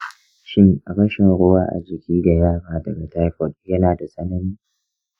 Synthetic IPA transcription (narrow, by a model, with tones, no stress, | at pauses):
ʃɪ˦ŋ˨ɾɐ˦ʃɪ˨ŋɽʊ˦waː˦ʔa̰˨zɪ˨kʲiː˦da˨jaː˦ɾaː˨dɐ˨ɡa˨ta˦jɸɔ˨tjɐ˦naː˨da˨sʼɐ˦nɐ˦niː˦